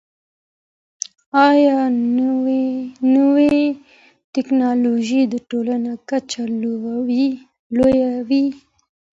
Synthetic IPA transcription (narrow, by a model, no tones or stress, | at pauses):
ɑjɑ | nəwe | tɪknɑloʒid̪əʈolanakat͡ʃaow | lojawi